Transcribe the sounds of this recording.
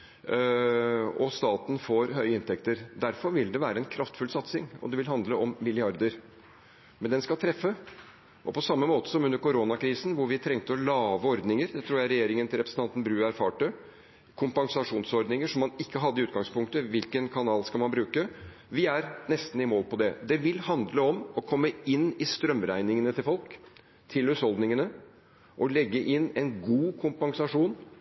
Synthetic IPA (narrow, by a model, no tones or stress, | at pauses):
ɔst̪ɑːt̪n̩foːɾɦœʏəɪnt̪ʰɛkt̪əɾd̪æɾfɔɾʋɪld̪ɛʋæːɾəɛnkʰɾɑft̪fʉlsɑt̪sɪŋɔ̰d̪ɛʋɪlɦɑnd̪ləɔmːɪlɪɑɾd̪əɾ | mɛnd̪ɛnskɑlt̪ʰɾɛfːə | ʔɔpʰɔsɑmːəmoːt̪ə̥sɔmʉnd̪əɾkʰʊɾoːnɑkʰɾiːsn̩ʋʊɾʋɪt̪ʰɾɛŋt̪əɔlɑːʋəɔɾd̪nɪŋəɾd̪ɛt̪ʰɾuːɾjæɪɾɛjeːɾɪŋənt̪ɪlɾɛpɾəsn̩ʰɑnt̪n̩bɾʉːæɾfɑːʈə | kʰʊmpɑŋsɑʂuːnsɔɾd̪nɪŋəʂɔmːɑnɪkːəɦɑd̪ːəɪʉːt̪ɡɑŋspʰʊŋkt̪əʋɪlkənkʰɑnɑːlskɑlmɑnbɾʉːkə | ʋɪæɾnɛst̪n̩ɪmoːlpʰɔd̪ɛd̪ɛʋɪlhɑnd̪ləɔmɔkʰɔmːəɪnːɪst̪ɾœmɾæɪnɪŋənət̪ʰɪlfɔlk | t̪ʰɪlʉshɔld̪nɪŋənə | ʔɔlɛɡːəʔɪnːɛnɡuːkʰʊmpɑŋsɑʂuːn